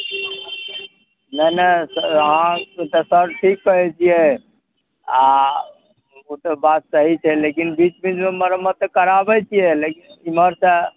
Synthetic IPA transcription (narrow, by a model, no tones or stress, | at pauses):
nəɦnəsəɦãt̪əsəɾʈʰikːəɦɛt͡ʃʰijɛ | a | ot̪əbat̪̚səɦit͡ʃʰɛlekinbit͡ʃbid͡ʒmeməɾəmət̪kəɾabɛt͡ʃʰijɛlekiniməɾsə